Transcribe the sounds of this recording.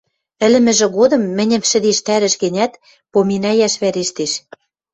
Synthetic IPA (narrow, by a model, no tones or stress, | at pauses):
ɘ̆lɘ̆mɘ̆ʒɘ̆ɣod̪ɤ̆mːɘ̆nʲɘ̆mʃɘ̆d̪eʃt̪æɾɘ̆ʃɣɘ̆nʲæt̪ | pominɑjæʃβæɾeʃt̪eʃ